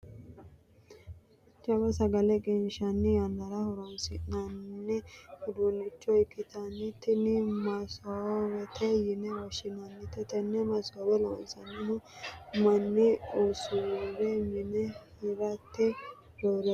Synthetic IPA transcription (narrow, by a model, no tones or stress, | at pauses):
t͡ʃʼɐbɐsɐɡɐlɛɡɛnʃɐnːɪjɐnd̪ɐɾɐhʊɾɔnsɪnɐnːɛʊd̪unːɪt͡ʃːɔɪkːɪt̪ɐnːɪt̪ːɪnɪmɐsowɛt̪ʰɛjɪnɛwɔʃɪnɐnːɪt̪ɛt̪ɛnːɛmɐsɔwɛlɔ̰nsɐnːɪmʊmɐnːɪusʊɾɛmɪnɛhɪɾɐt̪ːɛ | ɾoɾ